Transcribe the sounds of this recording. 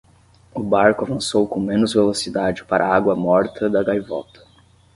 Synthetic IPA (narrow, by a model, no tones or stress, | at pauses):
ʊbaɾkʊavɐ̃sowkõmẽnʊzvelosid̪ad͡ʒɪpaɾʔɐaɡwɐmɔɾt̪ʰɐd̪ɐɡajvɔ̰t̪ɐ̥